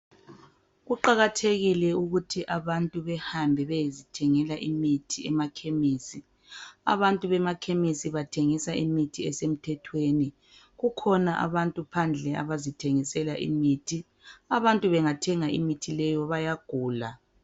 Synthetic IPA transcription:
ɣuǃaɣatʰeɣilɛuɣutʰiʔaβantʼuβɛhambʱɛβɛjezitʰɛŋɛlaʔimitʰiɛmakʰemiːsi | a̰βantʼuβɛmakʰemisiβatʰeŋisaʔimitʰiɛsem̩tʰɛtʰweni | ɣukʰɔnaʔa̰βantʼupʰand͡ɮʱɛa̰βazitʰeŋisɛlaʔḭmitʰi | aβantʼuβɛŋatʰɛŋaʔḭmitʰilɛjɔβajaɡ̥ʱuːla

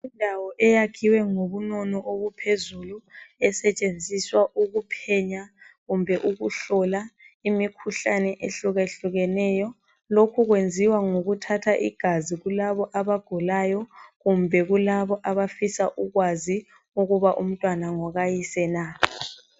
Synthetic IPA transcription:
indʱawɔʔɛjakʰiwɛŋoβunɔnɔʔoβupʰezuluɛsɛt͡ʃʼend͡zʱiswaʔuɣupʰɛɲa | ɣumbʱɛʔuɣuɬɔlaimikʰuɬanɛʔeɬuɣeɬuɣɛnɛːjɔ | lokʰuɣwend͡zʱiwaŋoɣutʰatʰaʔḭɡ̥ʱaziɣulaβɔʔaβaɡ̥ʱulajɔɣumbʱɛɣulaβɔʔaβafisaʔuɣwazi | uɣuβaʔum̩tʼwanaŋɔɣajisɛna

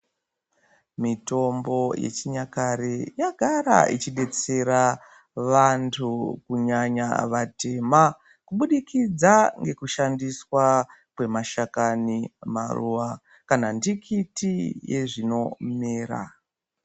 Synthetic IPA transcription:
mito̞mbo̞jḛt͡ʃiɲakaɾejaɡʱaɾa̰it͡ʃiɗe̞t͡se̞ɾa | ʋantʰukuɲaɲa̰ʋate̞ma | kuɓuɗikid͡zaŋɡe̞kuʃandiswakwe̞maʃakanima̰ruːʋa | kanandikʰitije̞̰ʐino̞meːra̰

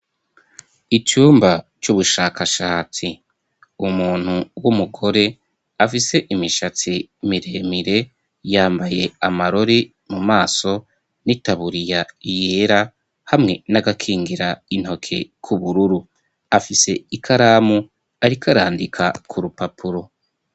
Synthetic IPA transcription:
it͡ʃuːmba | t͡ʃuβuʃaːkʰaʃaːt͡si | umuːn̥huwumuɡo̞ɾe̞ | afise̞ʔimiʃat͡simiɾe̞ːmiɾe̞ | jaːmbaje̞amaɾo̞ɾi | mumaːso̞ | nitaβuɾijaije̞ɾa | hamŋe̞naɡakʰiːŋɡiɾain̥ho̞kʰe̞̰kʰuβuɾuɾu | afise̞ikʰaɾamu | aɾikʰaɾaːndikʰa̰kʰuɾupapʰuɾo̞

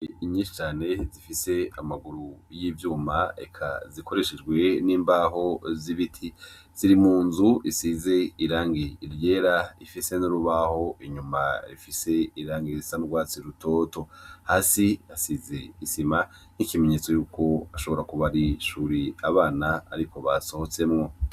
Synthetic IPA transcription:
iɲiːʃi̥t͡ʃaːne̞zifise̞amaɡuɾujiːvjuːmaḛkʰa̰zikʰo̞ɾe̞ʃed͡ʒɡwe̞niːmbaɦo̞ziβitʰi | z̥iɾimuːnzuisize̞iɾaːŋɡiiɾje̞ːɾaifise̞nuɾuβaho̞ʔiɲumaḭfise̞iɾaːŋɡiɾisanuɡwaːt͡siɾutʰo̞to̞haːsiasize̞isimanikime̞ɲe̞t͡so̞juːkʰo̞aʃo̞βo̞ɾakuβaɾiʃuːɾiaβaːnaa̰ɾiko̞βaso̞ho̞t͡se̞mŋo̞

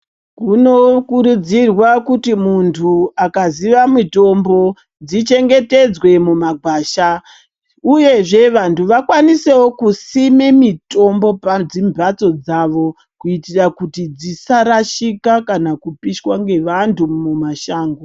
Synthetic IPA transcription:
kuno̞kuɾud͡zirwakutimuntʰuakaziʋamito̞mbo̞ | d͡zit͡ʃe̞ŋɡe̞te̞d͡zwe̞mumaɡʱwaːʃa | uje̞ʐe̞ʋantʰuʋakwanise̞wokusimemito̞mbo̞pad͡zimbʱat͡so̞d͡zaʋo̞ | kuitirakutid͡zisaɾaʃikakanakupiʃwaŋɡe̞ʋantʰumumaʃaːŋɡo

